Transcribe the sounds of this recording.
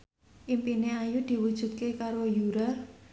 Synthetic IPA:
ʔimpineajud̪̥i̤wud̥ʒ̥ṳt̪̚kekaɾojuɾa

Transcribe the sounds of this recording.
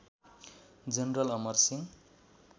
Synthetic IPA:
d͡zʌnrʌlʌmʌrsiŋ

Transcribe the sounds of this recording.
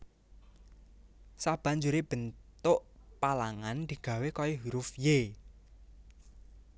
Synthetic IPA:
sab̥a̤ɲd͡ʒuɾeb̥ə̤nt̪ʊʔpalaŋand̪̥i̤ɡ̥ä̤wekɔiɦuɾʊfje

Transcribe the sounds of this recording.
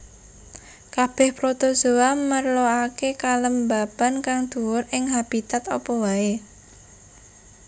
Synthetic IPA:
kab̥ɛhpɾot̪oz̥o̤amərloakekaləmbab̥a̤nkaŋd̪̥uwʊrɪŋɦab̥it̪at̪ɔpɔwae

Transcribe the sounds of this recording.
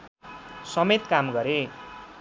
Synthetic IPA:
sʌmet̪kamɡʌɾe

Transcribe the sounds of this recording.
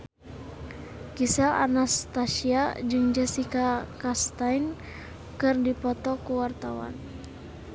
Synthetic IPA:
kisala̰nast̪asiad͡ʒɨŋd͡ʒasikakast̪ajn | kɨrdipɔt̪ɔkuwart̪awa̰n

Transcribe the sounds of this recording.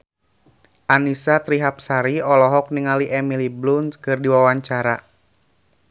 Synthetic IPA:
ʔanisat̪ɾiɦap̚saɾiɔlɔɦɔk̚niŋaliʔɛmiliblunskɨrdiwawaɲt͡ʃaɾa

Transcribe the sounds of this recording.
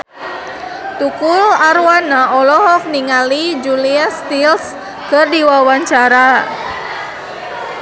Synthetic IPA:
t̪ukʊlaɾwanaʔɔlɔɦɔfniŋalid͡ʒuliast̪ils | kərdiwawaɲt͡ʃaɾa

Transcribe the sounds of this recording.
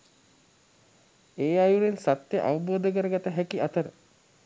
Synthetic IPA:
eːajunensat̪jeʔa̰ʋɐboːd̪ək̬əɾəɡat̪əɦækiat̪əɾə

